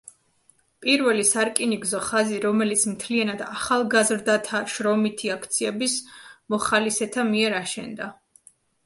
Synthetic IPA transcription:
pʼiɾvɛlisaɾkʼiniɡzɔχaziɾɔmɛlit̪sʰmt̪ʰlianad̪aχalˠɡazɾd̪at̪ʰaʃɾɔmit̪ʰiakʰt̪sʰiɛbismɔχalisɛt̪ʰamiɛɾaʃɛ̰nd̪a

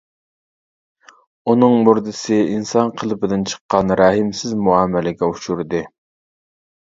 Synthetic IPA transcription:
unɨŋmuɾd̪ɨsɨinsɑnqʰəlˠɨpɪd̪ɪnt͡ʃʰə̥qːɑnɾɑːhɪmsɪzmuɑmɛlɪɡʲɛuʃuɾd̪ɨ

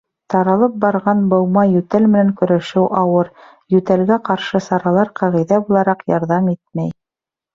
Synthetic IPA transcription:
t̪ɑɾɑlˠɤp̚bɑɾʁɑnbɤ̆wmɑjʉt̪ælmɘ̆næŋkɵ̆ɾæʃɘwʔɑwɤɾ | jʉt̪ælɡæqɑɾʃɤsɑɾɑlˠɑɾqɑʁĭjðæbulˠɑɾɑqjɑɾðɑmit̪mæj

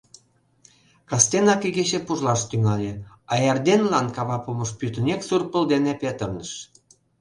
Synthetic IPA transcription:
kɑst̪enɑkeɡeɕepuʒlɑʃt̪yŋɑlʲe | ɑjɑrd̪enlɑnkɑβɑpumɤ̆ʃpyt̪ə̆neksurpə̆ld̪enepet̪ərnəʃ

